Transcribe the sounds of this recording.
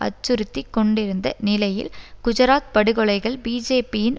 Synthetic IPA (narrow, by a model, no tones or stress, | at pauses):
ʔɐ̰t͡ʃːɯɾɯt̪ːikːɔɳɖɪɾɯnd̪ɐ̰nɪlɐjɪ̰lɡ̥ʊd͡ʒɐɾaːt̪̚pɐɽɯɣɔɭɐɪɣɐɭbiːd͡ʒeːpijɪn